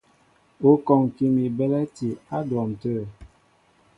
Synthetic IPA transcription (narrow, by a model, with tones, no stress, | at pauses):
o˦kɔ˨ŋ˨ki˦mi˨bɛ˦lɛ˦ti˨a˦dwɔ˨m˨tə˦˨